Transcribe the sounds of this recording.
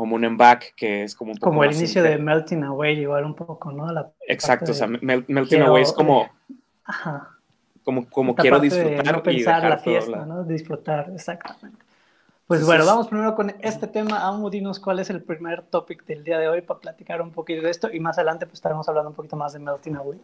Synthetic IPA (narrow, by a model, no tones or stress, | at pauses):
komounembakːeeskomoũmpokomoellinisjo̞ðemelt̪inawejiɣwalumpokonolaḛksak̪̚eoseamelmeltj̪ienawejeskomo | axa | komokomokajeɾoɾðistefðɾuenaɾɾoppensaɾlafjesanoðisfɾut̪aɾesakt̪amẽnt̪e | pwe̞szβwe̞noβamospɾimeɾo̞ko̞ne̞st̪e̞t̪e̞maʔaunoðinoskwalese̞lpɾime̞ɾt̪o̞pikd̪e̞ld̪iaðeo̞jpaplat̪i̥kaɾumpo̞kit̪oðest̪o̞ʔimasað̞e̞lant̪epwese̥st̪aɾemosaβland̪oumpokit̪o̞mazðemelt̪inawej